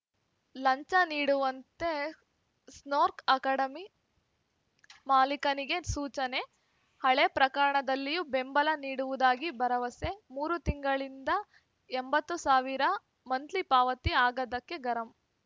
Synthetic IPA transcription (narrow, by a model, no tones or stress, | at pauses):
lɐɲt͡ʃɐniːɽuʋɐnt̪e̞ | snoːɾkɐkaːɽɐmi | maːlikɐniɡe̞suːt͡ʃɐne̞ | hɐɭepɾɐkɐɾɐɳɐd̪ɐlːijube̞mbɐlɐniːɽuʋud̪aːɡibɐɾɐʋɐse̞muːɾut̪iŋɡɐɭind̪ɐ | embɐt̪ːusaːʋiɾɐ | mɐnt̪lipaːʋɐt̪iaːɡɐd̪ɐkːe̞ɡɐɾɐm